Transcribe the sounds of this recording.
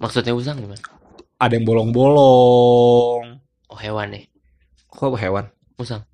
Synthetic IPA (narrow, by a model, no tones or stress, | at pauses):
mʔaksut̪̚ɲaus̬aŋiman | adɛŋbɔlɔŋbɔlɔ | ŋ | ʔɔhewanːɪh | kuaɦewan | usaŋ